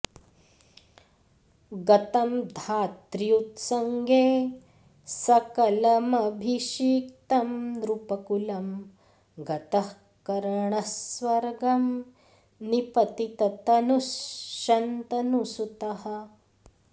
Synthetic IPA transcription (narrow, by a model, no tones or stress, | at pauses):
ɡɐt̪ɐmd̪ʱaːt̪ɾjut̪sɐŋɡeː | sɐkɐlɐmɐbʱiʃiːkt̪ɐmd̪ɾupɐkulɐm | ɡɐt̪ɐh | kɐɾɐɳɐsʋɐɾɡɐm | nipɐt̪it̪ɐt̪ɐnusʃɐnt̪ɐnusut̪ɐhɐ̆